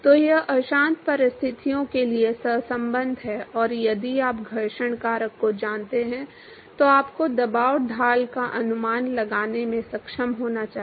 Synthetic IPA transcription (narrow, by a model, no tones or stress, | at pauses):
t̪oːjɐɦʔɐʃãːnt̪pɐɾɪst̪ʰɪt̪ijõkeliesɐɦsɐ̃mbə̃nd̪ʱɦɛʔɔːɾjɐd̪iaːpɡʱɐɾʃəɽkaːɾəkːod͡ʒaːnt̪eɦɛ̃ | t̪oaːpkod̪ɐbaːʊʈ̚d̪ʱaːlkaʔɐnʊmaːnlɐɡaːnemẽsɐkʃəmɦoːnat͡ʃaːɦ